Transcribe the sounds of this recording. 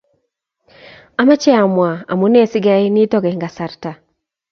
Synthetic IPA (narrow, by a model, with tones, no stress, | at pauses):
a˨ma˦t͡ʃɛ˦a˨mwa˨a̰˨mu˦ne˦sɪ˦ɡa˦i˦nɪ˦tɔ˦ɡɛ˨ŋɡa˨sa˨rta˨